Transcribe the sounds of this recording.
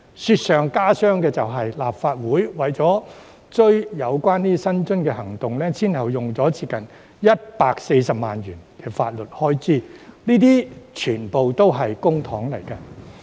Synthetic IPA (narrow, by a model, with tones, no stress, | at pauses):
syː˧t̚sœː˨ŋkaː˥sœː˥ŋkɛː˧t͡sɐ˨wɦɐ˨jlaː˨p̚faː˧t̚wuː˨˥jwɐ˨jt͡sɔː˨˥ | t͡sɵ˥ɥjɐ˨˧wkʷaː˥nniː˥sɐ˥nt͡ʃɵ˥nkɛː˧ɦɐ˨˩ŋt̪ʊ˨˩ŋlɛ˥sʰiː˥nhɐ˨wjʊ˨ŋt͡sɔː˨˥t͡siː˧kɐ˨n | jɐ˥t̚paː˧k̚se˧jsɐ˨p̚ma̰ː˨njyː˨˩nkɛː˧faː˧t̚lɵ˨t̚hɔː˥jt͡siː˥niː˥t̪̬iː˥t͡ʃʰyː˨˩npo˨wt̪o˥wɦɐ˨jkʊ˥ŋt̪ʰɔː˨˥ŋlɐ˨˩jkɐ˧